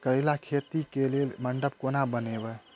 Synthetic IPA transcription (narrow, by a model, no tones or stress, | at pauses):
kəelakʰet̪ikelelməɳɖəp̚konabənebə